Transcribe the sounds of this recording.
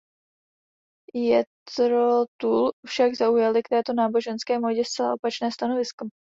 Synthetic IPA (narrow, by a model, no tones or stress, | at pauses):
jɛt̪ɾot̪uːlfʃaɡzaujalɪkt̪ɛːt̪o̞naːbo̞ʒɛnskɛːmoɟɛst̪t͡sɛla̰ʔo̞pat͡ʃnɛːst̪ano̞vɪsko